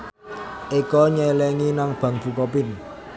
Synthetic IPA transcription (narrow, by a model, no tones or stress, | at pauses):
ʔikɔɲɛlɛŋinaŋb̥ä̤ŋb̥ṳkɔp̬ɪn